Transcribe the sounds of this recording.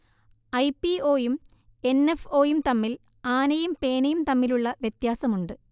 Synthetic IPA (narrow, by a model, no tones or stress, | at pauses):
ɐjpːio̞ːjum | e̞nefo̞ːjumt̪ɐmːil | aːnɐjumpe̞ːnɐjumt̪ɐmːiluɭːɐʋjet̪jaːsɐmuɳɖɨ